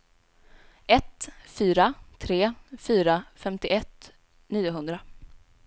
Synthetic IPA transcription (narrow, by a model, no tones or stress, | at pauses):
ɛt̪fyːɾat̪ʰɾeːfyːɾafɛmt̪ɪʔɛt̪ | niːʊɦɵnd̪ɾa